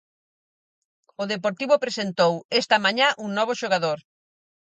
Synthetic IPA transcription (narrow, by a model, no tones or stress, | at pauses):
ʊðepoɾt̪iβʊpɾesent̪owest̪ɐmaɲãʔuŋnɔβ̞oʃoɣ̞aðoɾ